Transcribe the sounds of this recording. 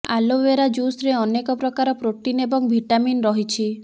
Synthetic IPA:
a̰loʋeɾad͡ʒusɾeɔnekɔpɾɔkaɾɔpɾoʈinebɔŋbʱiʈaminɾɔɦit͡ʃʰi

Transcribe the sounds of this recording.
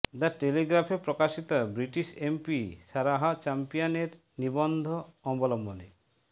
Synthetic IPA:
d̪aɾʈeliɡɾafepɾokaʃit̪obɾiʈiʃempiʃaɾaɦat͡ɕampijoneɾ | nibɔnd̪ʱoɔmbolɔmbone

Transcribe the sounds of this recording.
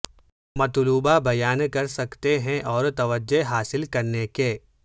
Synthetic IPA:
mɐt̪luːbabɐjaːnkɐɾsɐkt̪eɦɛ̃ʔɔːɾt̪ɐʋəd͡ʒeɦaːsɪlkɐɾnekeː

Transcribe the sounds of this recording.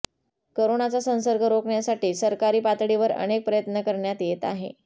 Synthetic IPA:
koɾonat͡sasə̃ñsəɾɡʱəɾokɳjasaʈiːsəɾkaɾiːpat̪ɽiʋəɾə̰nek̚pɾəjət̪nəkəɾɳjat̪jet̪a̰ɦḛ

